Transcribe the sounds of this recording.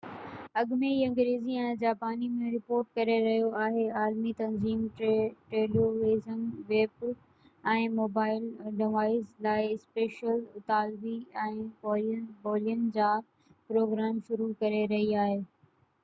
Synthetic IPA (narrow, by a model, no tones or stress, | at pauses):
ɐɠmeiɐ̃ŋɡɾeːziɛ̃ːd͡ʑaːpaːnimẽɾɪpoːɾʈkɐɾeɾɐɦijoaːɦeaːlmit̪ɐnziːmʈɾeːloʋeːzənʋeːb | ɛ̃ːmoːbaːɪlɖɪʋaːɪzlaːɪspeːʃəlʊt̪aːlʋiɛ̃ːbɔːbɔːlijən̆d͡ʑaː | pɾoːɡɾaːmʃʊɾukɐɾeɾɐɦiaːɦeː